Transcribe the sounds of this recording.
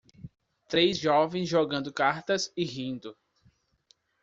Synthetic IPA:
t̪ɾejzʒɔvẽj̃szʒɔɡɐ̃nd̪ʊkaɾt̪ɐzɪɦĩnd̪ʊ

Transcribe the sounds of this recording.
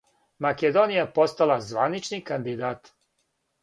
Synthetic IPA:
maked̪onijapo̞st̪alˠazʋa̰nit͡ʃnikand̪id̪aːt̪

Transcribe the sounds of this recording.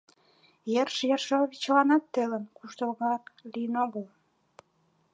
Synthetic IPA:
jerʃjerʃoβʲit͡ɕlɑnɑt̪ːelənkuʃt̪olɣɑrlijənoɣəl

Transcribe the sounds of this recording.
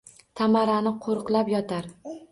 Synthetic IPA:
t̪ʰamaɾanɪqʰoɾqlˠapjɒt̪ʰaɾ

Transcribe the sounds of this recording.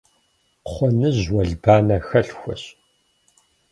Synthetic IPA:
χʷɔnɨʑwɐɮbaːnɐxɐɬxʷɔ̰ɕ

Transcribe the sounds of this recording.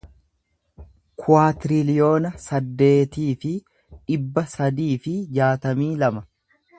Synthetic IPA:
kʰʊaːt̪ɪɾɪlɪjo̞ːnɐsɐd̪ːe̞ːt̪iːfɪ | ᶑɪbːɐsɐd̪iːfɪd͡ʒaːt̪ɐmiːlɐmɐ

